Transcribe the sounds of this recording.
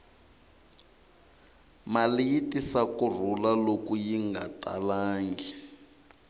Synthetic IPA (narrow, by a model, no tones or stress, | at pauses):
malijitisakur̤ulalokujiŋɡatʼa̰laːŋɡi